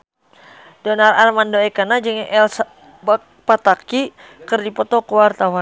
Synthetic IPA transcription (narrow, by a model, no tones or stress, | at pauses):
dɔnararmandoɛkanad͡ʒɨŋʔɛlsa | bak̚ | pat̪aki | kɨrdipɔt̪ɔkəwart̪awa